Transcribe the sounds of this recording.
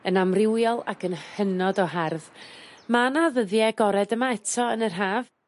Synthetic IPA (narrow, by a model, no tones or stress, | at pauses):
ənamrɪwjɔlˠa̰kʰənhənɔdɔɦarvmanaðəðjɛɡɔɾɛdəmaɛtʰɔənərɦaːv